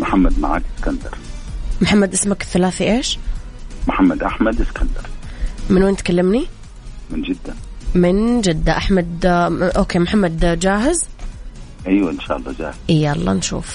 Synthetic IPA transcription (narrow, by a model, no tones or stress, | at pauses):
mʊħamːad̪maʕa̰ːkɪskand̪ɑɾˤmʊħamːad̪ʔɪsmakɪθːalaːθiʔeːʃ | mʊħamːad̪ʔaħmad̪ʔɪskand̪ɑɾˤmɪnweːnt̪kalːɪmni | mɪnd͡ʒɪd̪ːanmɪnd͡ʒɪd̪ːaʔaħmad̪ʔoːkeːmħamːad̪d͡ʒaːɦɪz | ʔajwaʔɪnʃa̰ːʔɑlˤːɑ̰ːd͡ʒa̰ːhɪzʔijːaʔɑlˤːɑ̰ːnʃṵːf